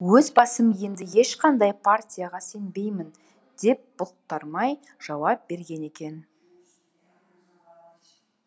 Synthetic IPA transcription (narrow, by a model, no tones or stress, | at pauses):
wɵzbɑsəmje̞nd̪ɪje̞ʃqʰɑnd̪ɑjpʰart̪ʲijaʁɑse̞mbe̞jmɪn | d̪e̞p̚b̥ʊt̪ːɑɾmɑj | ʒ̥ɑwɑp̚be̞ɾɡʲe̞ne̞kʲe̞n